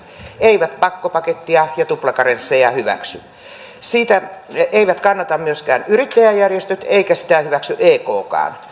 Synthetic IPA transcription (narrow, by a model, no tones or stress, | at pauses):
eiʋæt̪pɑkːopɑket̪ːiɑjɑt̪uplɑkɑrensːejɑhyʋæ̰ksy̰ | siːt̪æeiʋæt̪kɑnːɑt̪ɑmmyøskæːnyrit̪ːæjæjjærjest̪øt̪eikæsi̥t̪æhyʋæksyʔeːkoːkɑ̰ːn